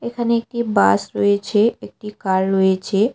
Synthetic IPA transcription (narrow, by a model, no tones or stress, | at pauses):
ekʰəneeːk̚ʈibaːsɾoet͡ʃʰeek̚ʈikalɾoet͡ʃʰe